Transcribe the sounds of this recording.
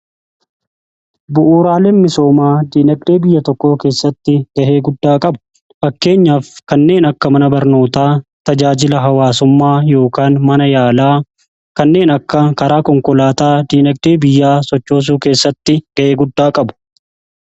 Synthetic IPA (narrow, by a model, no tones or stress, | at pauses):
bʊʔuːɾaːleːnmɪso̞ːmaːd̪iːnɛk̚d̪eːbɪjːɐt̪ɔkːo̞ːke̞ːsːɐt̪ːɪɡ̥ɐʔeːɡʊd̪ːaːkʼɐbʊ̥ | fɐkːe̞ːɲːaːfkɐnːe̞ːnɐkːɐmɐnɐbɐɾno̞ːt̪aːt̪ɐd͡ʒaːd͡ʒɪlɐɦɐwaːsʊmːaːjo̞ːkaːnmɐnɐjaːlaː | kɐnːe̞ːnɐkːɐkɐɾaːkɔŋkɔlaːt̪aːd̪iːnɐkd̪e̞ːbɪjːaːsɔt͡ʃːoːs̬uːke̞ːsːɐt̪ːɪɡɐʔe̞ːɡʊd̪ːaːkʼɐbʊ̥